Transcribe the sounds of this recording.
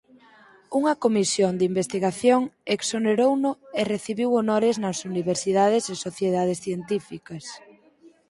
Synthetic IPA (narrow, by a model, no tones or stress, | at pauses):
uŋɐkomisjond̪imbest̪iɣaθjoŋeksoneɾownʊereθiβiwonoɾɪznɐsuniβeɾsiðað̞ɪsesoθjeðaðɪsθjent̪ifikɐs